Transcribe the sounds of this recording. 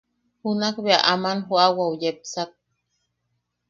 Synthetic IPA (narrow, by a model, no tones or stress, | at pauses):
hunakbeaʔamanɦuawaujep̚sak̚